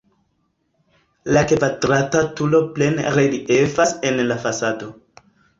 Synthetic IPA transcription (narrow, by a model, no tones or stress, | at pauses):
lakevadɾatatulo̞ple̞nɾeliʔefase̞nlafasado̞